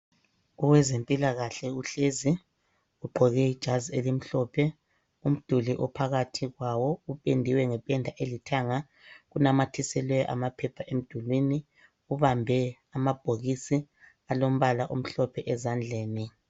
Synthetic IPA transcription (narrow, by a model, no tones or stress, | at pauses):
uwɛzempʼilaɣaɬɛuɬezi | uɡ͡ǃʱɔɣɛid̥ʒ̥ʱazielim̩ɬɔpʰɛ | um̩d̥ʱuliʔɔpʰaɣatʰiɣwawɔupʼendʱiwɛŋɛpʼɛndʱaʔelitʰaŋa | ɣunamatʰisɛlwɛʔa̰mapʰɛpʰaʔem̩d̥ʱulwiːni | uβambʱɛ | amab̥ʱoɣisi | alom̩βalaʔum̩ɬɔpʰɛʔɛzand͡ɮʱeːni